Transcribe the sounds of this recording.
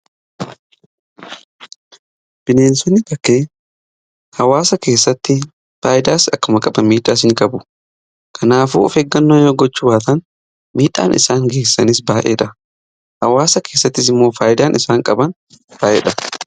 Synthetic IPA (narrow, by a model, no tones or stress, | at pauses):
b̥ɪne̞ːnsɔnːɪt̪ɐkːe̞ː | hɐwaːsɐke̞ːsːɐt̪ːɪ | faːʔɪd̪aːsɐkːʊmɐkʼɐbɐmiːᶑaːs̬ɪŋkʼɐbʊ | kʰɐnaːfṵːɔ̰feːɡːɐnːoːjoːɡɔt͡ʃːʊwaːt̪ɐn | miːᶑa̰ːnʔɪ̰saːŋɡe̞ːsːɐnɪsbaːʔḛːᶑɐ | hɐwaːsɐke̞ːsːɐt̪ːɪs̬ɪmːo̞ːfaːjɪd̪aːnʔɪsaːŋkʼɐbɐn | baːʔɛ̰ᶑɐ